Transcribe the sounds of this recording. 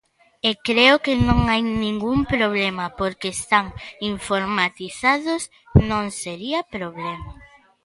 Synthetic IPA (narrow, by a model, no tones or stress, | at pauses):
ekɾeokenõŋajnĩŋɡumpɾoβ̞lemɐpoɾkest̪aŋiɱfoɾmat̪iθaðos | nõŋseɾiapɾoβlema